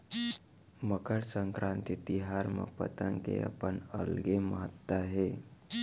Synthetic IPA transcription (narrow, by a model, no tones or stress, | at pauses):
məkəɽsəŋkɾʔãnt̪it̪iɦaɾmə̰pə̰t̪əŋkḛa̰pəɳə̰lɡeməɦət̪ːaɦe